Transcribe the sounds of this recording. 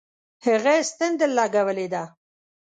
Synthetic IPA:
həɣest̪ɪnd̪əlːɑɡawəled̪a

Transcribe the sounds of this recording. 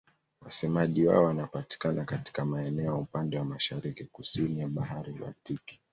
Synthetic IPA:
wasɛmaʄiwa̰ɔwanapati̥kanakati̥kamaɛnɛɔjaupandɛwamaʃaɾikikusinijaɓaɦaɾila̰tiki̥

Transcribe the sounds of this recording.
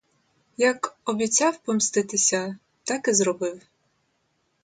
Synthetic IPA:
jɐkɔbʲit͡sʲawpɔmst̪ɪt̪ɪsʲɐ | t̪ɑkɪzɾɔbɪw

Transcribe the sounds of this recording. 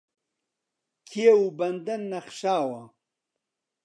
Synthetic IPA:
kʰieubɐnd̪ɐnːɐχʃaːwɐ

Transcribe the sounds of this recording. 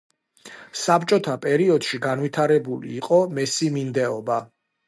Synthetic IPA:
sapt͡ʃʼɔt̪ʰapʼɛɾiɔd̪̥ʃiɡanvit̪ʰaɾɛbulḭːqʼɔmɛsimind̪ɛɔba

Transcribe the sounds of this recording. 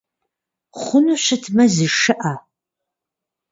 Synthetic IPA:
χʷʊnuɕɐtʰmɐzɨʂɨʔa

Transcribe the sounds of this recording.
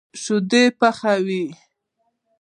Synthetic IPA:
ʃʊd̪epaxawi

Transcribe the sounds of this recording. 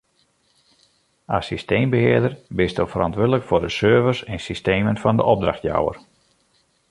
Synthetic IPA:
asistejmbəhɪːədərbɪstofərɑntʋødələkfʊrdəsøːvəsɛnsisteːmənfɑndə̰ʔɔp̚draxtja̰wə̰r

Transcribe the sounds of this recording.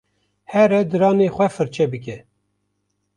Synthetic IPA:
hɛɾɛd̪ɨɾɑːneːxʷɛfɨɾt͡ʃʰɛbɨkɛ

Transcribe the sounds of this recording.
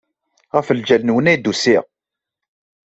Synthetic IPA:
ʁəfəld͡ʒælnwənæjd̪usiʁ

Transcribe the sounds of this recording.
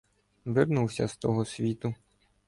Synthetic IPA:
ʋɪrnuwsʲɐst̪ɔɦɔsʲʋʲit̪ʊ

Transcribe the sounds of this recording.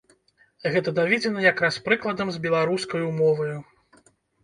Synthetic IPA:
ɣɛt̪ɐd̪avʲɛd͡zʲɛnɐjakɾaspɾɨklˠɐd̪ɐmzbʲɛlˠaɾuskɐjumɔvɐju

